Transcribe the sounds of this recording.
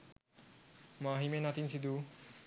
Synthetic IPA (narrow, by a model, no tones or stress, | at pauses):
maɦimenat̪insid̪u